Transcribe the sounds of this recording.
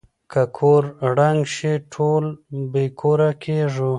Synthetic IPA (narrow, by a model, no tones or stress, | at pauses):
kakʰoɾɽaŋɡʃiʈʰolbekʰoɾakʰeʐu